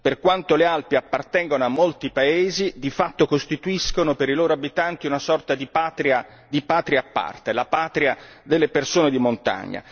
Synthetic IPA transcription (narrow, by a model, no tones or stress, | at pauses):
perkwant̪olealpiapːart̪ɛŋɡonoamːolt̪ipaeːzid̪ifat̪ːokost̪it̪uiskonopeɾiloːɾoabit̪ant̪iunasɔrt̪ad̪ipat̪ɾia | d̪ipaːt̪ɾiaːpːa̰rt̪elapaːt̪ɾia | d̪elːepersoːned̪imont̪a̰ɲːa̰